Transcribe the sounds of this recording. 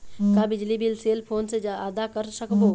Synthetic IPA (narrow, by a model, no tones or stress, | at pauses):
kabɪd͡ʒlibɪlseːlpʰoːnsed͡ʒaaːd̪akəɾsəkbo